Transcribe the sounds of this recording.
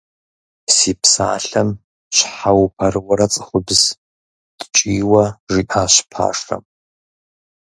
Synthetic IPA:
siːpsa̰ːɬɐm | ɕʷħawpʰɐrwɐɾɐt͡sʼɨχʷʊbz̥ | d̥t͡ʃʼiːwɐʒiʔaːɕpʰa̰ːʂɐ̰m

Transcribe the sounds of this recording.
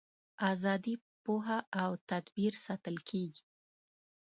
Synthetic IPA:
azɑd̪i | poɦaawt̪ad̪biɾsɑt̪əlkʰeɡi̥

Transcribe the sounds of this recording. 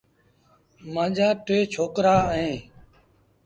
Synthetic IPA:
mãːd͡ʒaːʈʋeːt͡ʃʰoːkɾaːɦẽː

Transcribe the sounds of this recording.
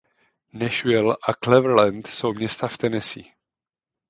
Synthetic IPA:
nɛʃvɛlʔaklɛvɾlɛnt̪sowmɲɛst̪aft̪ɛnɛsḭ

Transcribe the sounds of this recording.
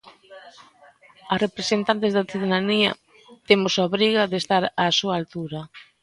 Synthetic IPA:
ɐrepɾesent̪ant̪ezðɐθiðeðaniɐ̰ | t̪emosoβɾiɣɐðest̪aɾasuaːlt̪uɾɐ

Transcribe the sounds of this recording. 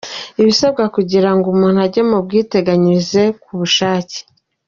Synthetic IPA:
iβisabɡakuɟiɾaŋɡumuːn̥uaɾɟemubɡiːte̞ɡaɲize̞kuβuʃaːce̥

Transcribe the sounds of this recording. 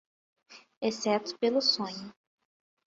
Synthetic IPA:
esɛt̪ʊ̥pelʊsõɲʊ

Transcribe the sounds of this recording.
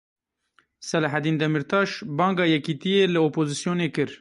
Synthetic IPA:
sɛlaɦæd̪iːnd̪ɛmiɾt̪ʰɑːʃbɑːŋɡɑːjɛkiːt̪ijeːlɪoːpoːzisjoːneːkɨɾ

